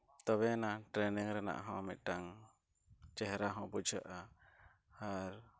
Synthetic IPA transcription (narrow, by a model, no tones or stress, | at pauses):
t̪ɔβɛnaʈɾɛniŋɾɛna̰ʔɦɔ̃amɛt̪̚ˀʈaŋ | t͡ʃɛɦɾaɦɔ̃bud͡ʒʱəʔa | haɾ